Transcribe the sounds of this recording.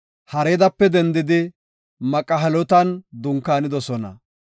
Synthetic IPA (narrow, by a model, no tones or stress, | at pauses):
hɐɾeːd̪ɐpːɛd̪ɛnd̪ɪd̪ɪ | mɐkʼːɐɦɐlɔt̪ɐnd̪ʊŋkːaːnɪd̪ɔsɔnɐ̰